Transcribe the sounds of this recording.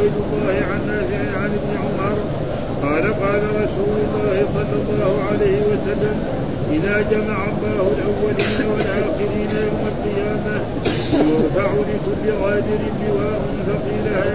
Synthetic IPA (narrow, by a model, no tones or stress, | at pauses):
jd̪ʊlˤːɑːhɪʕanʔaːsɪʕɪnʕanɪbnɪʕʊmɑɾˤ | qɑːlaqɑːlaɾˤɑsuːlʊlˤːɑːhɪsˤɑlːɑlˤːɑːhʊʕalejhɪwasalːam | ʔɪðaːd͡ʒamaʕamːaːhʊlʔawːaliːnawalʔaːxɪɾiːnajawmalqɨjaːma | waɾfaʕulɪkʊlːɪɣɑːd̪ɪɾɪnlɪwaːmʊntaqiːlaha